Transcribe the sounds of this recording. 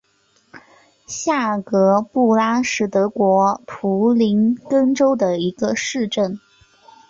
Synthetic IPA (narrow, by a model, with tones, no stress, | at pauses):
ɕja˥˩kɤ˧˥pu˥˩la˥ʂɻ̩˥˩t̪ɤ˧˥kwɔ˧˥pʰu˧˥li˧˥nkə˥ŋʈ͡ʂo˥ʊd̪ə˨i˧˥ɡə˧ʂɻ̩˥˧ʈ͡ʂə˥˩n